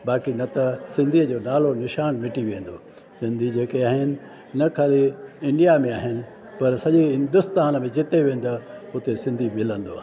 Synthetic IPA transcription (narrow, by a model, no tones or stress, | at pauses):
baːkinɐt̪ɐsɪ̃nd̪ʱiəd͡ʑoːnaːlonɪʃaːnmɪʈiʋẽːn̆d̪oː | sɪ̃nd̪ʱid͡ʑeːkeaːɦɪnɪ̆ | nɐkʰaːliɪ̃ɳɖijamẽaːɦɪnɪ̆ | pɐɾsɐʄiɦɪ̃nd̪ʊst̪aːnəmẽd͡ʑɪt̪eʋẽːn̆d̪oʊt̪esɪ̃nd̪ʱimɪlə̃nd̪o̰a̰ː